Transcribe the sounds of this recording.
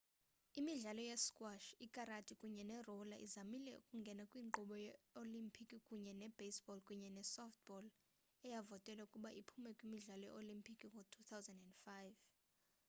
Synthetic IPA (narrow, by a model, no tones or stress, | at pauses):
imiɮalɔjɛskʼwaʃikʼaɾatʼikʼuɲɛnɛrɔlaʔizamilɛ̰ṵkʼuŋɡʱɛnakʼwiːǃɔɓɔjɛolimpʰikʼikʼuɲɛnɛb̥esbɔlkʼuɲɛnɛsɔft̪̚bɔl | ɛjavɔtʼɛlaukʼuɓaʔipʰumɛkʼwimiɮalɔjɛ̰olimpʰikʼiŋɔtʰut̪ʰawzandɛndfajv